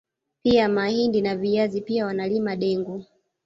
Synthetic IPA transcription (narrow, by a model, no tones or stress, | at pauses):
piamahindinavijazipiawanalimaɗɛŋɡu